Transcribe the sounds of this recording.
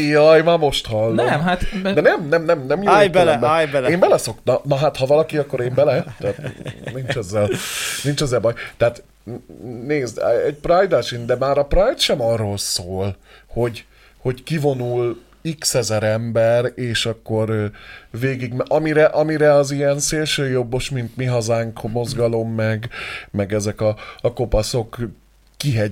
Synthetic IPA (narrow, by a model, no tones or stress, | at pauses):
jɒjmaːmo̞ʃt̪hɒlːoɛmɦat̪d̪ɛnɛmnɛmnɛmnɛmjoajtbɛlɛmbɛajbɛlɛeːmbɛlɛso̞kt̪ɒnɒɦat̪hɒvɒlɒkiɒkːoɾeːmbɛlɛt̪aːt̪nint͡ʃɛzːɛlnint͡ʃɛzːɛlbɒjt̪ɛaːt̪ | neːzd̪ɛɟprajd̪aʃind̪ɛmaːɾɒprajt̪ʃɛmɒrːolsoːlho̞ɟ | ho̞ɟkivo̞nul | iksɛzɛɾɛmbɛreːʃɒkːo̞rveːɡiɡmʔɒmiɾɛʔɒmiɾɛɒziɛnseːlʃøːjo̞bːoʃmint̪miɦɒzaːŋkmo̞zɡɒlo̞mːɛɡmɛɡɛzɛkɒːko̞pɒso̞kː | iɦɛ